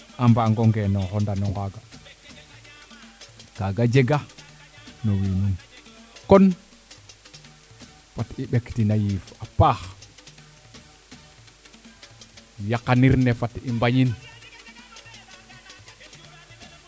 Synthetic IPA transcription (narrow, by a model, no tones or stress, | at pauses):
ambaŋɡoŋɡenɔŋhɔndanɔŋɡaɡa | kaɡad͡ʒeɡa | nowiːninkon | fatiɓektinajiːfapax | jakːaniɾnefatimbaɲin